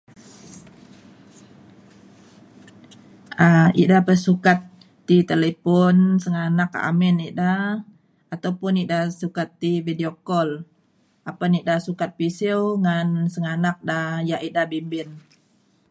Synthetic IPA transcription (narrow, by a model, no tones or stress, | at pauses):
aḭʔdahpəsukat̪ː | it̪elepɔnsəŋanaka̰mɪniʔda | at̪awpʊnidahsukat̪ːividiokɔl | ʔapaniʔdahsukat̪̚pisiwŋansəŋanak̚dajaʔidahbimbɪn